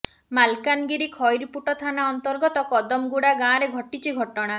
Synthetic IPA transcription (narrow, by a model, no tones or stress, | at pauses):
malkanɡiɾikʰɔjɾpuʈɔt̪ʰanaɔnt̪ɔɾɡɔt̪ɔkɔd̪ɔmɡuɽaɡãɾeɡʱɔʈit͡ʃʰiɡʱɔʈɔɽ̃a